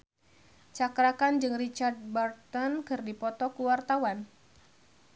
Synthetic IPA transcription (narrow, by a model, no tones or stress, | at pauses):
t͡ʃakɾakand͡ʒɨŋrit͡ʃard̪̚bart̪ɔnkɨrdipɔt̪ɔkuwart̪awan